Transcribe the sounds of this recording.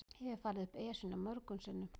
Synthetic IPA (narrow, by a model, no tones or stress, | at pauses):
hɛvɪfaːlɪðʏhpɛːsʏnamœɾkʏnsɪnːʏ